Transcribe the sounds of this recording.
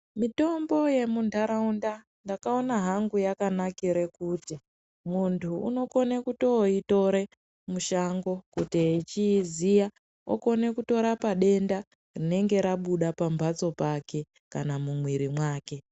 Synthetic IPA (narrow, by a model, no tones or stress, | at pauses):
mito̞mbo̞je̞mundaɾaunda | ndakao̞naɦaŋɡujakanakiɾekuti | muntʰṵːno̞ko̞nekuto̞ito̞ɾe̞ | muʃaŋɡo̞kutiit͡ʃizija | o̰ko̞ne̞kuto̞ɾapaɗe̞nda | rine̞ŋɡe̞ɾaɓuɗapambʱat͡so̞pake̞ | kanamumwiɾimwaːke̞